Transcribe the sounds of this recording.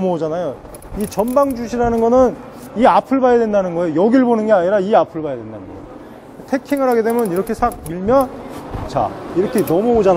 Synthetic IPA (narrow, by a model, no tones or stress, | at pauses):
muod͡ʑanajo | it͡ɕʌmbaŋd͡ʑuɕʰiɾanɯnɡʌnɯn | iapʰɯɭbajadwe̞ndanɯnɡʌejojʌɡiɭbonɯnɡeaɲiɾaiapʰɯɭbajadwe̞nda̰nɯnɡʌ̰ | tʰe̞kʰiŋɯɾɦaɡe̞dwe̞mjʌniɾʌkʰe̞sʰak̚miɭmjʌnt͡ɕa̰iɾʌkʰenʌmuod͡ʑan